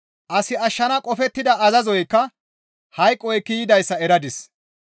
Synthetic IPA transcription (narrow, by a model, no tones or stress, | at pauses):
ʔɐsɪɐʃːɐnɐkʼɔfɛt̪ːɪd̪ɐʔɐzɐzɔjkːɐ | hɐjkʼːɔjkːiːjɪd̪ɐjsːɐɛɾɐd̪ɪs